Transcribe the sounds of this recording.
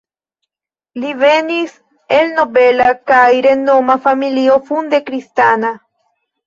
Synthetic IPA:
live̞nis | e̞lno̞be̞lakajɾendomafamilio̞fund̪e̞kɾistana

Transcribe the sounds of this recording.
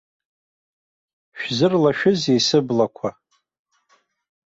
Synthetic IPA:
ʃᶣzɨrlaʃᶣʊzejsɨblakʷʰa

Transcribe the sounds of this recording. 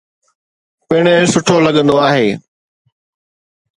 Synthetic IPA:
pɐɪɽ̃esʊʈʰolɐɠə̃nd̪oaːɦeː

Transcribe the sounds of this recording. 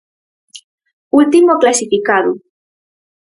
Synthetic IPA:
ult̪imoklasifikaðu

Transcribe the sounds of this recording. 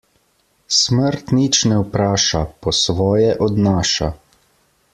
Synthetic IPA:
sməɾt̪nit͡ʃnɛwpɾaːʃapɔsʋɔːjɛʔɔd̪naːʃa̰

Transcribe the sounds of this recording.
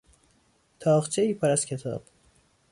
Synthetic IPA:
t̪ʰɒːχt͡ʃʰeipʰaɾaskʲʰet̪ʰɒ̰ːb̥

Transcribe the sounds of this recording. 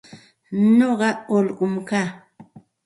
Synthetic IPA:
noɢɑolɢʊmkaː

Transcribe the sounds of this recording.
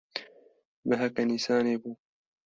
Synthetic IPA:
bɐɦɐkɐnisaːneːbuː

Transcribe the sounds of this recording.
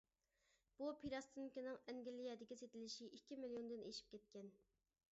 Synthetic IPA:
b̥upʰiɾɑst̪ʰɨnkʲinɨŋɛŋɡʲilːijɛd̪ɪkʲiset̪ɪlɪʃiʔikʲːimilijond̪ɨneʃi̥p̚kʲɛt̪̚kʲɛn

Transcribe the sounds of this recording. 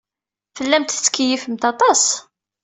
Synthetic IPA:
fəlːæmt̪θt͡sːkːijifəmt̪ɑt̪ˤɑs

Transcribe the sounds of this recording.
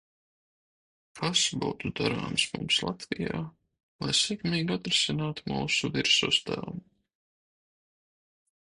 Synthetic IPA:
kʰasbuːt̪ud̪aɾa̰ːmsmṵmslˠat̪vijaː | lˠajsɛkmiːɡat̪ɾesinaːt̪muːsuviɾsuːst̪æ̰lˠm

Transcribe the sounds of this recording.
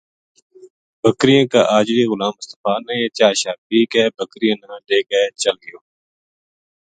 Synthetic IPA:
bʱəkɾɪjãːkaːʔaːd͡ʒɾiːɣʊlaːmʊst̪əfaːnə̃ẽːt͡ʃaːʃaːpiːkɛːbʱəkɾijãːnãːɗeːkeːt͡ʃəlɡɪjoː

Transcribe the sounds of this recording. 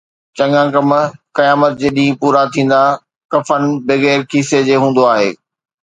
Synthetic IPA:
t͡ɕɐ̃ŋãːkɐmkɐjaːmət̪̚d͡ʑeːɗĩːpuːɾat̪ʰĩːn̆d̪a | kɐfənɪbɪɣeːɾkʰiːsed͡ʑeːɦũːnd̪oaːɦḛː

